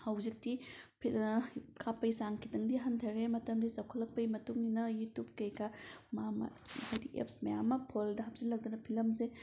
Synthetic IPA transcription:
hɐwzik̚tipʰikʰapɐjsaŋkʰidɐŋdiɦɐntʰɐɾemɐtɐmdisɐwkʰɐlːɐk̚pɐjmɐtuŋninɐjutup̚kɐjkʰamama̰hajdiʔḛp̚smɐjamɐpʰoldɐɦɐp̚zilːɐk̚dɐnɐpʰilɐmze

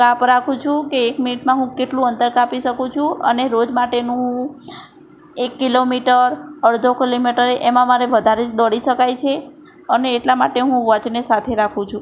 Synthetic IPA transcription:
kapɾakʰũt͡ʃʰũkeːkminiʈmãɦũkeʈlũənt̪əɾkapiʃəkũt͡ʃʰũə̰neɾod͡ʒmaʈenũ | ekːilomiʈəɾəɽd̪ʱokilomiʈəɾeʔemãmaɾeʋəd̪ʱaɾed̪ɔɽiʃəkajt͡ʃʰe | əneːʈlamaʈeɦũʋət͡ʃnesat̪ʰeɾakʰũt͡ʃʰũ

